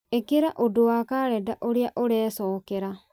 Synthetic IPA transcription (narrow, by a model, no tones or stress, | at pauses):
ekeɾaʔodoakaɾɛdaʔoɾeaʔoɾɛːsɔːkeɾa